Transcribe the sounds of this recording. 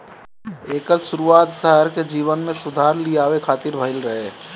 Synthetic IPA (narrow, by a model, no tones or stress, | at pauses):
eːkəɾʃʊɾuaːt̪səɦəɾked͡ʒiːʋənmẽsʊd̪ʱaːɾliaːwekʰaːt̪iɾbʱəɪlɾəɦe